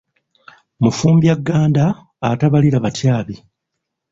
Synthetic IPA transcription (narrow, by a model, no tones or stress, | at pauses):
mufuːmbjaɡːaːndaː | taβaliɾaβatjaːβi